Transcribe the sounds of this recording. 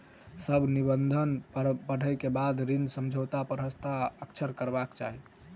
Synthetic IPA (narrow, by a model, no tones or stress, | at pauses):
səbʱnibənd̪ʱənbəɽ̤ʱəjkebad̪ɾinsəmd͡ʒʱot̪apəɾɦəst̪ʰaəkt͡ʃʰəɾkəɾbakt͡ʃa̰ɦi